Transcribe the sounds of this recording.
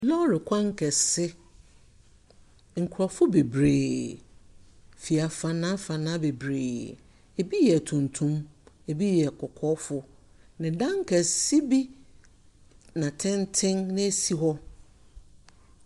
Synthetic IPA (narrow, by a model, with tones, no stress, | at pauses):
lɔ̃˦ɾɪ˨kʷʰã˦ŋ˦kʰɛ˨sɪ˦ | ŋ̩˨kʰɾɔ˨fʊ˦be˨bɾeː˨ | fi˨a˨fã˨nã˦fã˨nã˦be˨bɾeː˨ | e˨bi˦jɛ˨tʰũ˨ntʰũ˦m | e˨bi˦jɛ˨kʰɔ˨kʰɔ˦fʊ˦ | nɪ̃˨dã˦ŋ̩˦kʰɛ˨si˦bi˦ | nã˨tʰɛ̃˦ntʰɪ̃˦ŋnɪ̃˦e˦si˦ɦɔ˦